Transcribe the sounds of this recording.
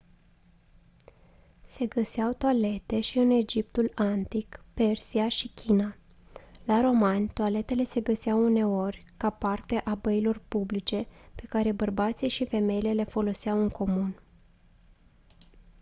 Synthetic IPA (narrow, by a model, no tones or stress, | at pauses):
se̞ɡəseawt̪oale̞t̪e̞ʃiɨne̞d͡ʒip̚t̪ulant̪ikpe̞rsiaʃikʲʰina | laɾo̞manʲt̪oale̞t̪e̞le̞se̞ɡəseawune̞o̞rʲkapart̪e̞ʔabəilo̞rpublit͡ʃe̞pe̞kaɾe̞bərbat̪siʃife̞me̞ile̞le̞fo̞lo̞sawɨŋko̞mun